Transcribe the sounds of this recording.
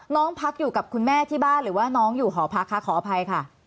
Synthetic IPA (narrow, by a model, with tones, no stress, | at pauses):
nɔː˨˦˥ŋpʰa˦˥k̚juː˨˩ka˨˩p̚kʰu˧nmɛː˥˩t̪ʰiː˥˩baː˥˩nɾɯː˩˦waː˥˩nɔː˦˥ŋjuː˨˩kɔː˩˦pʰa˦˥kʰːa˦˥kʰːɔː˩˦˧pʰa˧jkʰa˥˩